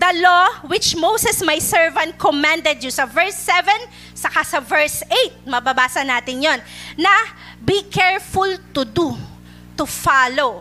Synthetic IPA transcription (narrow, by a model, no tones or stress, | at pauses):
d̪ɐlowɪt͡ʃmowsɛsmɐjsɛɹvɐ̃nt̪̚kɔmãnd̪ɛd̪̚jusɐvɛɹsːɛvɛ̃n | sɐkasɐvɛɹsejt̪̚mɐbɐbaːsɐnaːt̪ɪŋjonːɐ | bikʰɛɹfʊlt̪ʊd̪u | t̪ʊfalo